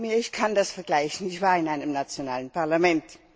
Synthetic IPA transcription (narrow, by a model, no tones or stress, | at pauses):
miːɐɪçkʰandasfɐɡlaɪçən̩ɪçv̥aːɪnaɪnəmnat͡sjona̰ːlənpʰaʁlamɛnt